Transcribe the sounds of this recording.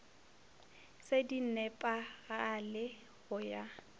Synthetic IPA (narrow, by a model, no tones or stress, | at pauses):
sedin̩nɛpʼaɣaːlɪ | ɣʊja